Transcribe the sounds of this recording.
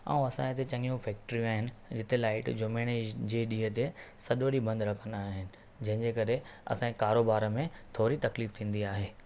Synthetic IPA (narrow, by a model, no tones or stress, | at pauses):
a̰ːũɐsãːɪt̪et͡ɕɐ̃ŋɡijũfɛːk̚ʈɾijũaːɦɪnɪ̆d͡ʑɪt̪elaːɪʈd͡ʑoːmeːɽ̃ed͡ʑeɗiːɦət̪esɐɗoːɗibɐ̃nd̪ɾɐkʰə̃nd̪aːɦɪnɪ̆ | d͡ʑɐ̃ɦɪ̃ɲd͡ʑeːkɐɾe | ɐ̰sãkaːɾoːbaːɾəmẽt̪ʰoːɾit̪ɐkliːft̪ʰĩːn̆d̪iaːɦeː